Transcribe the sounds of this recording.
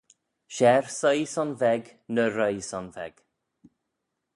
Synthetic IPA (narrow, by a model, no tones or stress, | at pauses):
ʃɛɹsəjsɔnvɛɡnəɾəjsɔnvɛ̰ɡ̥